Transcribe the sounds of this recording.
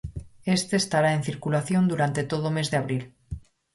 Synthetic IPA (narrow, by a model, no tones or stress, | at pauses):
e̞st̪eːst̪aɾae̞n̟θiɾkulaθjo̞nd̪uɾant̪e̞t̪oð̞ome̞zðeaβ̞ɾil